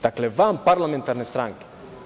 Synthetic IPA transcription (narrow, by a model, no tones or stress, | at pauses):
d̪aklevampaɾlamẽnt̪aɾnest̪ɾaŋke̥